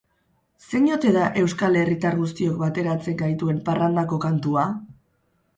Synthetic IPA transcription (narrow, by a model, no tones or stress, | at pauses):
se̞ɲo̞t̪e̞ðaʔe̞wskale̞rit̪aɾɣust̪io̞kbat̪e̞ɾat͡se̞ŋɡajt̪ue̞mparand̪ako̞kant̪ua